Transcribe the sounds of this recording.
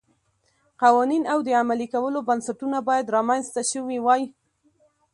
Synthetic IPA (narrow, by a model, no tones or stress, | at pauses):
qɑwɑninawd̪əamalikawəlobansaʈunabɑjad̪ɾɑmanzt̪aʃəwiwɑji